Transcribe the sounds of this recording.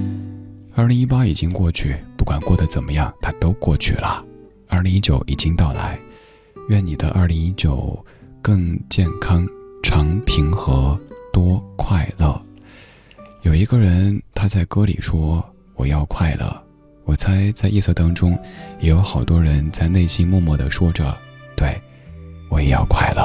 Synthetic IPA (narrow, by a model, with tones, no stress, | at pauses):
ɐ˥˩li˧˥ŋi˥pa˥i˨˩t͡ɕi˥ŋkwɔ˥˧t͡ɕʰy˥˩pu˥˩kwa˨˩nkwɔ˥˩d̪ə˩t͡sə˨˩nmə˦jɑ˥˩ŋt̪ʰa˥t̪o˥ʊkwɔ˥˧t͡ɕʰy̰˥˩lə̰˩ | ɐ˞˥˩li˧˥ŋi˥t͡ɕjo˨˧˥ʊʔi˨˩t͡ɕi˥ŋt̪ɑ˥˩ʊla̰˧˥ɪ | ɥɛ˥˩ni˨˩d̪ə˦ʔɐ˞˥˩li˧˥ŋi˥t͡ɕjo˨˩ʊkɤ˥˧ŋt͡ɕjɛ˥˩nkʰɑ˥ŋʈ͡ʂʰɑ˧˥ŋpʰi˧˥ŋxɤ˧˥t̪wɔ˥kʰwa˥˧ɪlə̰˥˩ | jo˨˩ʊi˧˥ɡə˥˧ɻə˧˥nt̪ʰa˥t͡sa˥˩ɪkɤ˥lḭ˨˩ʂwɔ˥ | wɔ˨˩jɑ˥˧ʊkʰwa˥˩ɪlə̰˩ | wɔ˨˩t͡sʰa˧˥ɪt͡sa˥˧ɪi˥˧sɤ˥˧t̪ɑ˥ŋʈ͡ʂʊ˥ŋjɛ˨˥jo˧˥ʊxɑ˨˩ʊt̪wɔ˥ɻə˧˥nt͡sa˥˧ɪne˥˩ɪɕi˥nmwɔ˥˧mwɔ˥˩d̪ə˩ʂwɔ˥ʈ͡ʂɤ̰˨˩t̪we˥˩ɪ | wɔ˧˥jɛ˨˩jɑ̰˥˧ʊkʰwa̰˥˩ɪlə̰˩